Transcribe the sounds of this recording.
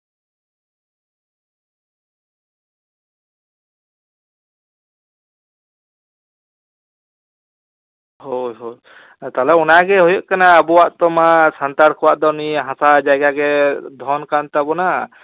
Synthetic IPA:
hojɦo | t̪alɔɔnaɡɛɦujɔʔ̚kanaːbɔwaʔt̪ɔmasant̪aɾkʰɔwaʔd̪ɔniɦãsad͡ʒajɡaɡɛd̪ʱɔnkant̪abɔna

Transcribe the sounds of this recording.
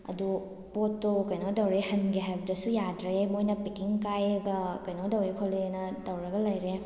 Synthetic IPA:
ɐ̰du | potːokɐjnodɐwɾehɐnɡeɦajbɐdɐsujadɾɐjajmojnɐpikiŋkajɐɡɐkɐjnodɐwɾekʰolenɐtɐwɾɐɡɐlɐjɾe

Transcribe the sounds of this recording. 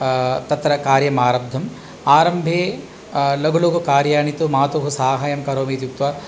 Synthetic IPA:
t̪ɐt̪ɾɐkaːɾjɐmaːɾɐb̚d̪ʱɐm | aːɾɐmbʱeː | lɐɡuluɡukaːɾjaːnit̪umaːt̪uɦusaːɦɐjɐmkɐɾoːmiːt̪juk̚t̪ʋɐ

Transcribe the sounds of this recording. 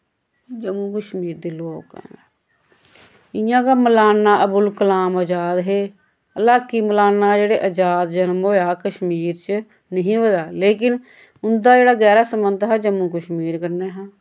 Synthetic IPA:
d͡ʒəmːuːkəʃmiːɾd̪iːloːkɛ̰̃ | ɪjãːkaːməlaːnːaːʔəbʊlkəlaːməd͡ʒaːd̪ɦeː | əlaːkiːməlaːnːaːd͡ʒeːɽeːʔəd͡ʒaːd̪d͡ʒənmoːjaːkəʃmiːɾt͡ʃ | nəɦĩːʋəd̪aːleːk̬ɪn | ʊnd̪aːd͡ʒeːɽaːɡɛːɾaːsəmənd̪ɦɛːd͡ʒəmːuːkəʃmiːɾkəɾneːɦãː

